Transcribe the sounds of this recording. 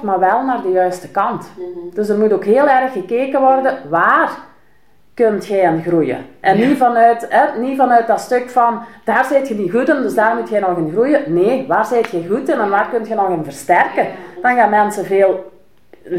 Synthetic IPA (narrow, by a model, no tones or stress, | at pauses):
maːrʋɛlˠnaːrdəjœɥstəkɑntd̥øs̬ərmutoːkɦeːəlˠɛrəxːəkeːkəʋɔrdəʋaːr | køntxɛjanɣrujə̰ʔɛnːivɑnœɥtɦɛnivɑnœɥt̚dɑtstøkfɑnd̥aːrzɪːtxədiɣutəndɵsdaːrmutxɛjnɔɣɪnɣrujəneːʋaːrzɪːtxɛjɣutənɛnʋaːrkɵntxənɔɣɪnvərstɛrkəd̥ɑnɣaːnmɛnsəveːlˠ